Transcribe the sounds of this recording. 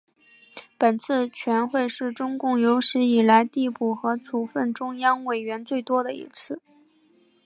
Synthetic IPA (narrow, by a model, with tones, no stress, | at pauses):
pə˨˩nt͡sʰɹ̩˥˩t͡ɕʰɥɛ˧˥nxwe˥˧ɪʂɻ̩˥˩ʈ͡ʂʊ˥ŋkʊ˥˩ŋjo˧˥ʊʂɻ̩˧˥i˨˩la˧˥ɪt̪i˥˧pu˥˩xɤ˧˥t͡sʰu˧˥fə˥˩nʈ͡ʂʊ˥ŋjɑ˥ŋwe˨˩ɪɥɛ˧˥nt͡swe˥˩ɪt̪wɔ˥d̪ə˨ḭ˧˥t͡sʰɹ̩˥˩